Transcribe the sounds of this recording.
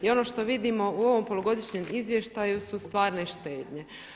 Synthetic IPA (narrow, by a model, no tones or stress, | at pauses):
io̞no̞ʃt̪o̞ʋid̪imo̞uo̞ʋo̞mpo̞lˠoɡo̞d̪iʃɲe̞mizʋje̞ʃt̪ajusust̪ʋaːɾneiʃt̪e̞ːd̪ɲe̞